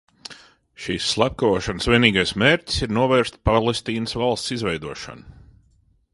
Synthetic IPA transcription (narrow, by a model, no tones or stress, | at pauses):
ʃisːlˠap̚kavuːʃansvʲiɛniːɡajsmeːɾtʲi̥siɾnuɔvɛːɾst̪ʲpalˠest̪iːnəsvalˠst̪sizvɛjd̪uɔʃa̰nu